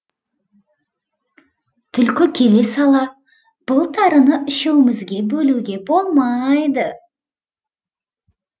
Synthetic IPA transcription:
t̪ʰʏlkʲɪkʲʰe̞le̞sɑlˠɑ | b̥ʊlˠt̪ʰɑɾənəʔɪʃewɪmɪzɡʲe̞bɵluɡʲe̞bo̞lˠmɑjd̪ə

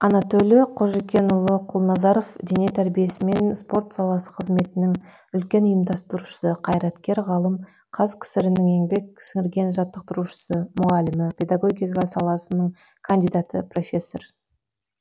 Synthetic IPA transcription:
ɑnɑt̪olʲjeqʰo̞ʒekʲe̞nʊlˠəqʰʊlˠnɑzɑɾo̞fd̪ene̞t̪ʰæɾbije̞sɪme̞nspo̞rt̪sɑlˠɑsə̥qʰəzme̞t̪ɪnɪŋ | ʏlkʲe̞nʊjəmd̪ɑst̪əɾuʃə̥səqʰɑjɾɑt̪kʲe̞ɾʁɑlˠəm | qʰɑzkʲʰɪ̥sɪɾɪnɪŋe̞ŋbe̞k̚sɪŋɪɾɡʲe̞nʒɑt̪ːəq̚t̪əɾuʃə̥səmʊʁɑlɪmɪpʲʰe̞d̪aɡo̞ɡʲijqɑsɑlˠɑsənəɴ | kʰand̪ijd̪ɑt̪ə̰pro̞fʲe̞sːo̞̰r

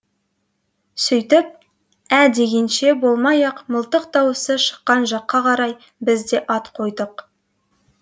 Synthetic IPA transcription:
sɵjt̪ɪp̚ | æd̪e̞ɡʲe̞nʃe̞bo̞lˠmɑjɑqməlˠt̪əqt̪ɑwəsəʃə̥qːɑnʒɑqːɑqʰɑɾɑj | bɪzd̪e̞ʔɑt̪qʰo̞jd̪əq

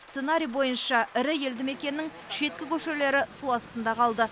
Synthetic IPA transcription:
sse̞naɾʲijbo̞jənʃɑɪɾɪje̞ld̪ɪme̞kʲe̞nːɪŋ | ʃe̞t̪̚kʲɪkʲʰɵʃele̞ɾɪsuɑst̪ənd̪ɑqʰɑlˠd̪ə

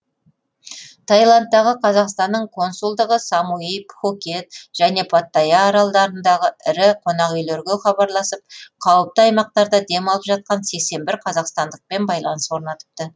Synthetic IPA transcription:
t̪ʰɑjlˠant̪ːɑʁəqʰɑzɑqst̪ɑnːəɴkʰo̞nsulˠd̪əʁəsɑmuijpχokʲe̞t̪̚ʒ̥æne̞pʰat̪ːɑjɑːɾɑlˠd̪ɑɾənd̪ɑʁəɪɾɪqʰo̞nɑʁijleɾɡʲeχɑbɑɾlˠɑsəp̚qʰɑwəp̚t̪əɑjmɑq̚t̪ɑɾd̪ɑd̪e̞mɑlˠəpʒɑt̪̚qɑnse̞kse̞nbɪɾqʰɑzɑqst̪ɑnd̪əq̚pe̞nbɑjlˠɑnəswo̞ɾnɑt̪ə̥p̚t̪ə

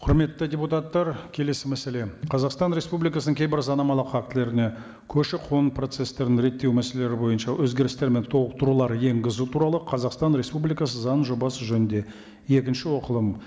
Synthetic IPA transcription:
qʰʊɾme̞t̪ːɪdʲeput̪ɑt̪ːɑɾkʲʰe̞le̞sɪmæse̞le̞qʰɑzɑqst̪ɑnɾe̞spublikɑsənəŋkʲʰejbɪɾsɑnɑmɑlˠəqɑk̚t̪ɪle̞ɾɪne̞ | kʲʰɵʃɪqʰonpro̞t̪se̞st̪e̞ɾnɪŋɾe̞t̪ʰːe̞wmæse̞lele̞ɾɪbo̞jənʃɑwʔɵzɡʲe̞ɾɪst̪eɾme̞nt̪ʰo̞lˠəq̚t̪əɾulˠɑɾje̞ŋɡɪzut̪ʰuɾɑlˠəqʰɑzɑqst̪ɑnɾe̞spublijkɑsəzɑnʒo̞bɑsəʒɵnɪnd̪e̞ | je̞kʲɪnʃɪwo̞qəlˠəm

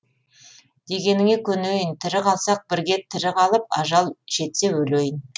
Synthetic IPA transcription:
d̪̥e̞ɡʲe̞nɪŋe̞kʲʰɵnejɪnt̪ʰɪɾɪqʰɑlˠsɑq̚bɪɾɡʲe̞t̪ʰɪɾɪqʰɑlˠəp̚ɑʒɑlˠʒ̥e̞t̪se̞wɵlejɪn

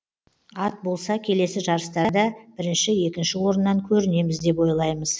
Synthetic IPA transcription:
ɑt̪̚bo̞lˠsɑkʲʰe̞le̞sɪʒɑɾəst̪ɑd̪ɑb̥ɪɾɪnʃɪje̞kʲɪnʃɪwo̞ɾənːɑŋkʲʰɵɾɪne̞mɪzd̪e̞p̬wo̞jlˠɑjməz̥

